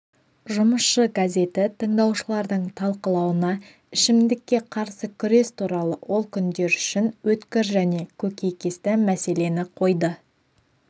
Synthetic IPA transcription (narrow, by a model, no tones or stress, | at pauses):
ʒʊməsʃəɡaze̞t̪ɪt̪ʰəɴd̪ɑwʃəlˠɑɾd̪əɴt̪ʰɑlˠqəlˠɑwənɑ | ɪʃɪmd̪ɪkʲːe̞qʰɑɾsəkʲʰʏɾe̞st̪ʰuɾɑlˠəwʔo̞lˠkʲʰʏnd̪e̞ɾʏʃɪnwɵt̪kʲɪɾʒæne̞kʲʰɵkʲe̞jkʲe̞st̪ɪmæse̞le̞nɪqʰo̞jd̪ə